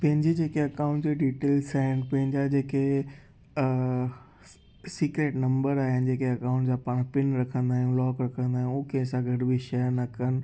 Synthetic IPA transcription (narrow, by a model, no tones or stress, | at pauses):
pɐ̃ɦɪ̃ɲd͡ʑid͡ʑeːkeɐkaːʊ̃ɳʈd͡ʑeɖiːʈeːlsaːɦɪnɪ̆pɐ̃ɦɪ̃ɲd͡ʑad͡ʑeːke | siːkɾeːʈnɐ̃mbəɾaːɦɪnɪ̆d͡ʑeːkeɐkãʊ̃ɳʈd͡ʑãːpaːɽ̃pɪnɾɐkʰə̃nd̪aːɦɪũlɔːkɾɐkʰə̃nd̪ãːʊ̃kʰeɐsãɡʱɐɖbʱiʃɐjəɾnɐkənɪ̆